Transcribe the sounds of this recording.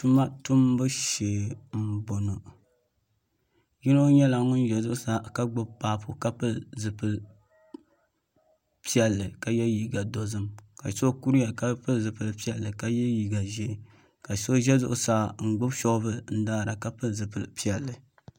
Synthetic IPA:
tu˦ma˦tu˦m˦bɨ˦ʃeː˨m̩˦bo˨no˨ | ji˦no˦ɲɛ˦la˨ŋʊ˦n˦ʒɛ˨zʊ˦ʔʊ˦sa˦ka˦ɡ͡bʊ˦bpaː˦˨pʊ˨ka˦pɨ˦zɨ˨pɨ˦l | pi˦ɛ˦lːɨ˨ka˨jɛ˦ji˦ɡa˨do˨zɨ˦mka˨so˦ku˦ɾi˦ja˨ka˦pɨ˦zɨ˨pɨ˨lpi˦ɛ˦lːɨ˨ka˦jɛ˦ji˦ɡa˨ʒe˦˨ | ka˨so˦ʒɛ˦zʊ̰˦ʔʊ˦sa˦ŋ̩˨ɡ͡bʊ˦bʃɔ˦ɡbɨ˦n̩˦daː˦˨ɾa˨ka˦pɨ˦zɨ˨pɨ̰˨pi˦ɛ˨lːɨ˨

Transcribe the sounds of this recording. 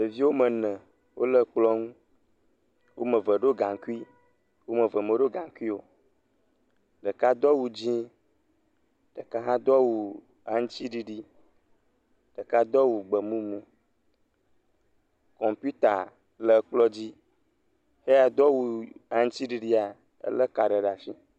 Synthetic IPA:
lə˨vi˦wo˦mə˨nɛ̃˨ | wo˦lə˦k͡plɔ˦ŋũ˦ | wʔo˦mə̃˨və˨ɖo˦ɡã˨ŋku˦i˦ | wo˦mə̃˨və˨mẽ˨ɖo˦ɡã˨ŋ˨ku˦i˦wo˨ | ɖə˨ka˦d̪ɔ˦wu˨d͡ʑĩ˦ | ɖ̥ə˨ka˦ɦã˦d̪ɔ˦wu˨ | a˨ŋ̩˦t͡ɕi˦ɖi˨ɖi˦ | ɖ̥ə˨ka˦d̪ɔ˦wu˨ɡ͡bə˨mũ˦mũ˦ | kɔ˨mpu˦t̪a˨ | lə˨˦k͡plɔ˦d͡ʑi˦ | he˦a˨d̪ɔ˦wu˨a˨ŋ̩̃˦t͡ɕi˦ɖi˨ɖi˦a˨ | ə̰˦lə˦ka˨ɖə˨ɖa˨fi˦

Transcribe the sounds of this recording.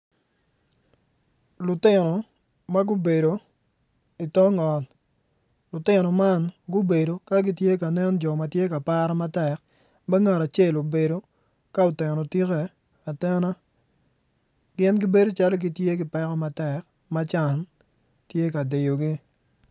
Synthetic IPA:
lʊ˨tɪ˦nɔ˨ | ma˦ɡʊ˦be˨do˨ | i˨tɔ˦ŋɔ˨t | lʊ˨tɪ˦nɔ˨ma˦nɡʊ˦be˨ɾo˨ka˦ɡi˦tje˦ka˨nɛ˦nd͡ʒɔ˨ma˨tje˦ka˨pa˦ɾa˦ma˦tɛ˨k̚ | mɛ˦ŋa˨ɾa˨t͡ʃe˦˨lo˨be˨ɾo˨ | ka˦ʊ˨tɛ˨nɔ˨ti˦kɛ˨ | a˨tɛ˦na˦ | ɡɪ˦nɡɪ˦be˦do˦t͡ʃa˦lo˦ɡi˦tje˦ɡɪ˨pɛ˦kɔ˦ma˦tɛ˨k | ma˦t͡ʃa˨n | tje˦ka˨de˨jo˨ɡi˦

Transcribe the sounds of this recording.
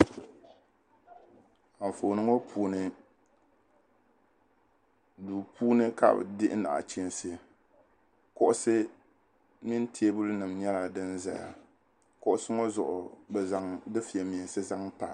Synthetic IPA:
a˨ɱ˨fo˨nɨ˦ŋo˦pʰuː˦nɨ˦ | duː˨puː˦nɨ˦ka̰˦b̰dɪ˦ʔɪ̰˦na̰˨ʔt͡ʃi˦nsɨ˦ | kʊ˦ʔʊ˦sɨ˦ | mi˦n˦ti˨˦e˦bʊ˦lnɨ˨mɲɛ˦la˨dɨ˦nza̰˨ja̰˨ | kʊ˦ʔʊ˦sɨ˦ŋo˦zʊ˨ʔʊ˨bɛ˨za˦ŋdɨ˦fi˨ɛ˨mi˨sɨ˦za˦ŋpa̰˨

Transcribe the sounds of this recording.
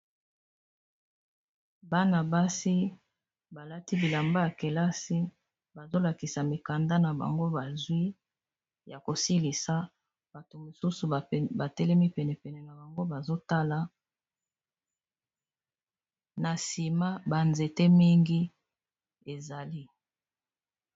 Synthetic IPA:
ba˦na˨ba˦si˦ | ba˨la˦ti˦bi˨la˨mba˦ja˨ke˨la˦si˦ | ba˨zo˦la˨ki˨sa˨mi˨ka˨nda˦na˨ba̰˨ŋɡo˦ba˨zwi˦ | ja˨ko˨si˦li˨sa˨ | b̥a˨to˨mo˨su˦su˨ba˨tɛ˦lɛ˦mi˦pɛ˨nɛ˨pɛ˨nɛ˨na˨ba˨ŋɡo˦ba˨zo˦ta˦la˨ | na˨si˨ma˦ba˨nze˨te˦mi˦ŋɡi˦ | e˨za˨li˦

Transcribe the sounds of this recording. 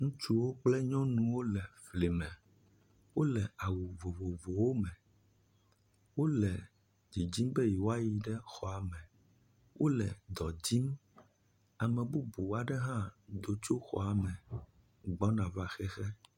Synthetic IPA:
ŋũ˦t͡ʃu˦wo˦k͡plɛ˦ɲɔ̃˦nũ˨wo˦lɛ˨fli˨mɛ̃˨ | wo˦lɛ˨a˨wu˨vo˨vo˨vo˨wo˦mɛ̃˨ | wo˦lɛ˨ | d͡ʒi˨d͡ʑi˦mbɛ˦ji˨wo˦a˦ji˨ɖɛ˦xɔ˨a˨mɛ̃˨ | wʔo˦lɛ˨d̪ɔ˨d͡ʑi˦m | a˨mɛ̃˨bu˦bu˨wa˨ɖɛ˦ɦã˦d̪o˨t͡ʃo˦xɔ̰˨a˨mɛ̃˨ | ɡ͡bɔ˦nã˨va˨xɛ˦xɛ˦

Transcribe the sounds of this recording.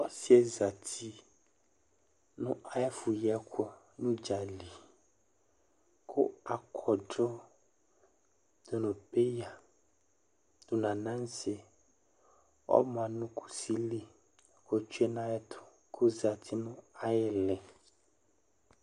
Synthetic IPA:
ɔ˦si˦e˦za˨t̪i˦ | nṵ̃˦ʔa˨je˦fu˨jɛ˦kʰo˦ | nũ˦d͡ʒa˨li˨ | kʰo˦a˨kʰɔ˨ɖɔ˦ | d̪̥o˨nũ˨pe˦ja˨ | d̪̥o˨nã˨nã˦n˦se˦ | wɔ̰˦mã˨nũ˦kʰu̥˦˨si˦li˦˨ | ko˦t͡ʃu˦e˦nã˦jɛ˦t̪ʰo̥˨ | kʰo˦za˨t̪ʰi˦nũ˦a˨jɛ˦lɛ˨

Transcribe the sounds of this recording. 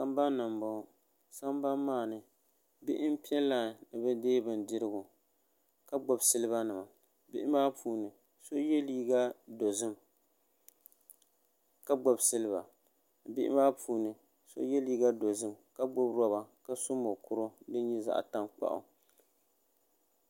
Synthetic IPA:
sa˦mba˦nːɨ˨mbɔ˨˦˨ | sa˦m˦ba˦mːaː˦˨nɨ˨ | bɪ˦ʔɪ˦m˦pi˦ɛ˦lːa˨nɨ˨bɛ˦deː˦bɨ˨ndɪ˦ɾɨ˦ɡʊ˨ | ka˦ɡ͡bɔ˨bsɨ˦lɨ˦ba˦nɨ˨ma˨ | bɪ˦ʔɪ˦maː˦pʰuː˦nɨ˨ | so˦jɛ˦liː˦ɡa˦do˨zɨ˦m | ka˦ɡ͡bɔ˨bsɨ˦lɨ˦ba̰˨ | bɪ˦ʔɪ̰˦maː˦pʰuː˦nɨ˨ | so̰˦jɛ˦liː˦ɡa˦do˨zɨ˦mka˦ɡ͡bɔ˦bɾɔ˦ba˨ka˦sʊ˦mo˨kʊ˨ɾʊ˦dɨ˦ɲɛ˦za̰˨ʔta˦ŋk͡pa̰˦˨ʔʊ̰˨

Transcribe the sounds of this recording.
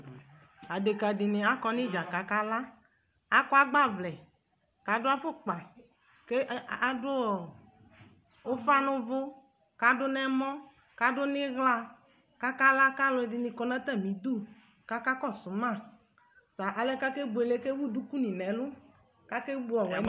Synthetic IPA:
a˨de˨ka˨dɪ˨nɪ̃˨a˦kɔ˦nɪ̃˦d͡ʒa˨ka˨ka˦la˦ | a˦kɔ˦a˦ɡ͡ba˦vlɛ˨ | ka˨dʊ˦a˦fʊ˦k͡pa˨ | ke˦a˨dʊ˦˨ | o˦fa˦nʊ̃˦vʊ˦ | ka˦dʊ˦nɛ˦mɔ̃˦ | ka˨˦dʊ˦nɪ̃˦ɣla˦ | ka˦ka˦la˦ka˦lʊ˨˦e˨dɪ˨nĩ˨kɔ˨nã˦t̪ɛ˦˨mĩ˨˦d̪u˦˨ | ka˦ka˦kɔ˦˨sʊ˨˦mã˦˨ | t̪a˨ʔa˨lɛ˦ka˦ke˦ɡ͡bu˨e˨le˦ke˦wu˦du˦ku˦nĩ˨nɛ̃˨˦lʊ˦ | ka˦ke˦bu˦ɔ˨wɛ˨˦

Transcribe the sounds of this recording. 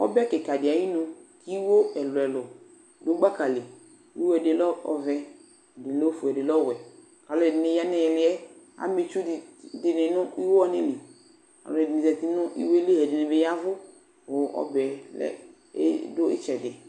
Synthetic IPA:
ɔ̰˦bɛ˦kɪ˨ka˨dɪ˨a˨ji˦nʊ̃˦ki˦wo˦ɛ˨lʊ˨ɛ˨lʊ˨ | dʊ˦ɡ͡ba˦ka˨le˨ | i˦wo˦ɛ˨dɪ˨˦lɔ˦ɔ˨vɛ˦˨ | dɪ˨lo˦fʊ˨ɛ˨dɪ˨lɔ˦˨wɛ˨ | ka˨lʊ˦ɛ˨dɪ˨nɪ˨ja˦nɛ˨jɛ˨lɪ˦ɛ˦ | a̰˦me˨t͡ʃʊ˦˨dɪ˨nɪ˨nʊ˦i˦wo˦ɔ˦nɪ˦li˨ | ka̰˨lʊ˨ɛ˨dɪ˨nɪ̃˨zɛ˨t̪ɪ˦nʊ˦ʔḭ˦wo˦e˦le˦ɦɛ˨dɪ˨nɪ˨be˨˦ja˦vʊ˦ | wo˨ɔ̰˦bɛ˨lɛ̰˦ | dʊ˦ɪ̰˦t͡ʃɛ˨dɪ˨

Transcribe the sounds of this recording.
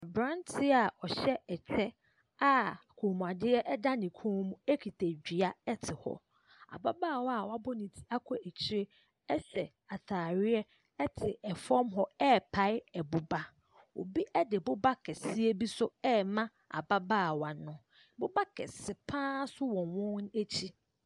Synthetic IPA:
bɾã˦ntʰɪ˦a˨ɔ˨ɕɛ˦ɛ˨t͡ɕʰɛ˦ | a˦˨kʰoː˨mũ˨a˨dɪ˦ɛ˦ʔɛ˦da˦nɪ̃˨kʰũː˦mũ˦e˦kʰi˨tʰe˨d͡ʑᶣi˨a˦ɛ˦tʰɪ˨hɔ̰˦ | a̰˨ba˦baː˦˨wa˨wa˦bɔ˦nɪ̃˨tʰi˦a˦kʰɔ˨ʔɛ˨t͡ɕʰi˦ɾe˦ | ɛ˦ɕɛ˨ | a˨tʰaː˨ɾɪ˦ɛ˦ | ɛ˦tʰɪ˨ɛ˨fɔ̃˦mɦɔ˦ɛ˦pʰa˦ɪ˦ɛ˨bʊ˨ba˦ | o̰˨bi˦ʔɛ˦dɪ˨bʊ˦ba˦kʰɛ˨sɪ˦ɛ˦bi˦sʊ˦ɛ˦mã˦ | a̰˨ba˦baː˦˨wa˨nʊ̃˦ | bʊ˦ba˦kʰɛ̰˨sɪ˨pʰãː˦sʊ˦wɔ̃˨wɔ̃˦n˦e˦t͡ɕʰi˦

